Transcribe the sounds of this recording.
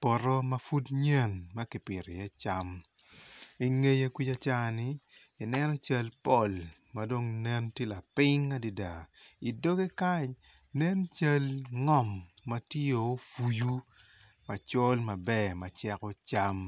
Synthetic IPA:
pɔ˨ɾɔ˦mɐ˨fu˦dɲɛ˦˨nmɐ˦ki˨pɪ˨ɾe˨jɛ˦t͡ʃa˦m | ɪ˨ŋe˦je˦kʷi˦t͡ʃa˦t͡ʃa˦˨nɪ˦ | ɪ˨nɛ˦nɔ˦t͡ʃɐ˦lpɔ˦˨l | mɐdo˦ŋnɛ˦ntje˦la˨pɪ˦ŋːa˦di˨da˨i˨do˦ɡe˦ka˦ɲ | nɛ˦nt͡ʃa˦lŋɔ˦mːɐ˦tjo˨˦fu˨ju˦ | mɐ˨t͡ʃo˦lmɐ˨bɛ˦˨ma˨t͡ʃɛ˦kɔ˦t͡ʃa˦m

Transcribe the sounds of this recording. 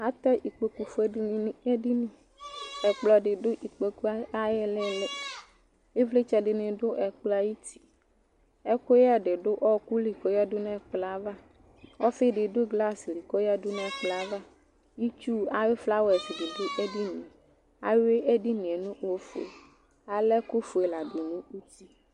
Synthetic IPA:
a˦t̪ɔ˦ʔi˨k͡pe˨ku˨fe˦e˦di˦nĩ˦ | ɛ˨k͡plɔ˨ɖɪ˨dʊ˦ʔi˨k͡pe˨ku˦a˦a˦je˦le˦le˦ | e˦vle˦t͡ʃɛ˦ɖɪ˨nɪ̃˨dʊ˦ʔɛ˨k͡pla˦ji˦t̪ʰi̥˨ | ɛ˦ko˦ja˦ɖɪ˨ɖʊ˦ʔɔ˦ku˦li˨kɔ˨˦ja˦dʊ˦nã˦˨k͡pla˦va˦ | ɔ˦fɪ˦ɖɪ˨do˦ɡla˦sli˨kɔ˦ja˦dʊ˦nɛ̃˦˨k͡pla˨˦va˦ | ji˦t͡ʃu˦a˨we˦fla˦wɛ˨sde˨dʊ˦ʔe˦di˦nẽ˨ | a˨we˦e˦ɖi˦nĩ˨e˨nũ˦wo˦fo˨ḛ˨ | a˨lɛ˦ku˦fo˨e˨la˨ɖo˨nũ˦u˦t̪i˦

